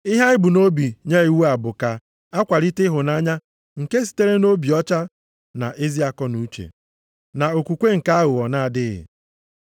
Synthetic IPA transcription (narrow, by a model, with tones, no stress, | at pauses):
ɪ˦ɦa˦ɪ˦bu˨no˦bi˨ɲe˦i˨wu˦a˨bʊ˨ka˨ | a˦kʷa˨ɾi˦tɪ˦ɦʊ˨na˦ɲa˦ | ŋ̩˨ke˦s̬i̥˨te˦ɾe˦no˦bi˨ɔ˦t͡ʃa˦ | na̰˨ʔe˦zi˦a˦kɔ˦nu˦t͡ʃḛ˨ | na˨o˨kʷu˨kʷe˦ŋ̩˨ka˦a˦ɦʊ˨ɔ˨na˦a˨dɪ˦ɣɪ̰˨